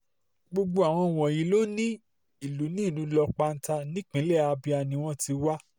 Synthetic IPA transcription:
ɡ͡bo˧ɡ͡bo˧a˨w̃ɔ̃˧˨w̃ɔ̃˨jĩ˨˦lo˦nĩ˦ | i˨lu˨˦nĩ˦˨nũ˨˧lɔ˧k͡pa˧n̩˦ta˧nĩ˦k͡pĩ˨˦lɛ˦˨a˧bi˧a˧nĩ˧w̃ɔ̃˦ti˧wa˦

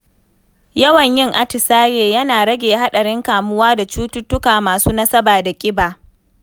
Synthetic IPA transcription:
jɐ˦wɐ˨ɲjɪ˦ŋʔa˦tɪ˨saː˦jeː˨jɐ˦naː˨ɽɐ˦ɡʲeː˨ɦa˦ɗɐ˨ɽɪ˦ŋkaː˨mʊ˦waː˦da˨t͡ʃuː˦tʊ˦tːʊ˦kaː˨maː˨suː˦nɐ˦sɐ˦baː˨da˨kʲʼɪ˦baː˨

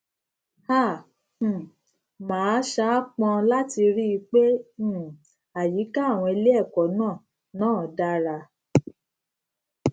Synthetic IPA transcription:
hã˦˨ | mãː˨˦ʃa˦k͡pɔ̃˧la˦ti˧ɾi˦˧k͡pẽ˦˨ | a˨ji˨˦ka˦˨w̃ɔ̃˧e˧le˦ɛ˦˨kɔ˨˦nãː˦˨ | nãː˦˨da˦ɾa˧

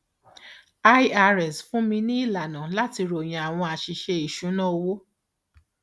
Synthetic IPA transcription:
a˧˦a˧ɾɛ˨sfũ˦mĩ˧nĩ˦i˦˨la˨nã˨la˦ti˧ɾo˨j̃ã˨a˨w̃ɔ̃˧a˨ʃi˨ʃe˧i˨ʃũ˨˦nã˦o˧wo˦

